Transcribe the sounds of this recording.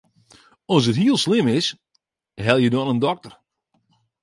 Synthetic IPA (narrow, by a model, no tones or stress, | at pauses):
ɔs̬ətɦiəlˠslɪmɪs | ɦɛlˠjədɔnəndɔk̚tər